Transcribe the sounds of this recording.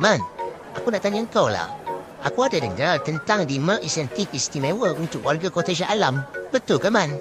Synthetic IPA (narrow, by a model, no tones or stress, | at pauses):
man | ʔakunaʔt̪aɲiəŋkawla̰ʔa̰kuadadəŋɡɾalt̪ənt̪aŋdiməʔisɛnt̪ik̚ist̪imẽwəunt̪ʊk̚wʔarɡakot̪eʃaʔalambət̪ʊlkəmãn